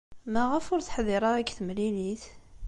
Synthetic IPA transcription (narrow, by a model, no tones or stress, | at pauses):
mæʁəfʊɾθħðɪɾˤɑækθəmliliθ